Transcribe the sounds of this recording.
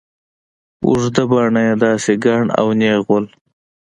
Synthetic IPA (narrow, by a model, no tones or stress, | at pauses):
ṵʐd̪ɐbaːɳɐjed̪aːseɡaːɳa̰wneːɣol